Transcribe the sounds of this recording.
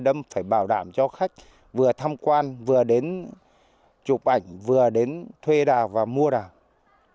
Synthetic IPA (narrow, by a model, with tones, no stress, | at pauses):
ɗə˧mfaː˧˩jɓaː˧˩wɗa̰ː˧˩mt͡ɕɔ˧xa˦˥jk̟̚ | vɨ˨˩ət̪ʰa˧mkwaː˧nvɨ˨˩əɗe˨˦n | t͡ɕʊ˨˩k͡p̚ʔa˧˩jŋ̟vɨ˨˩əɗe˨˦nt̪ʰwe˧ɗaː˨˩vaː˨˩mu˧əɗaː˨˩